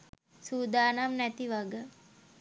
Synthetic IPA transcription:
suːd̪aːnamnɛt̪iʋaɡə

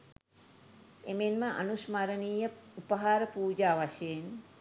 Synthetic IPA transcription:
emenməʔa̰nusmaɾəniːjəupəɦaːɾəpuːd͡ʒaːʋaʃejen

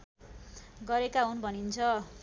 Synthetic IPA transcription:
ɡʌɾekaɦunbʱʌnint͡sʰʌ

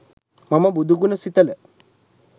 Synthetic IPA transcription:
mɐmɐbud̪ʱuɡunɐsit̪ɐlə

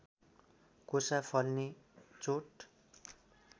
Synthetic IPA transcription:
kosapʰʌlni | t͡soʈ

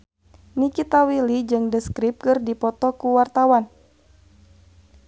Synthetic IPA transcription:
nikit̪awilid͡ʒɨŋdəskɾip̚kɨrdipɔt̪ɔkuwart̪awan

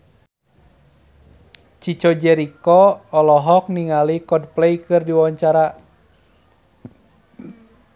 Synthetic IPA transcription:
t͡ʃit͡ʃɔd͡ʒɛɾikɔːlɔɦɔk̚niŋalikɔd̚plɛjkɨrdiwaɲt͡ʃaɾa

